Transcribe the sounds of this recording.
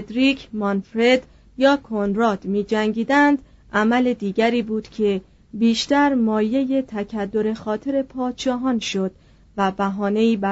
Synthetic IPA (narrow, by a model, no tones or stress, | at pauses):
ed̪ɾiːkʰmɒnfɾe̞d̪̥ | jɒːkʰonɾɒːd̪̥miːd͡ʒæŋɟiːd̪ænd̪ | ʔæmæle̞d̪iːɟæɾiːbuːd̪̥cʰe̞ | biːʃt̪æɾmɒːje̞je̞t̪ʰæcʰæd̪ːo̞ɾe̞xɒːt̪ʰe̞ɾe̞pʰɒːd̪̥ʃɒːɦɒːnʃo̞d̪̥ | væbæɦɒːne̞iːbæ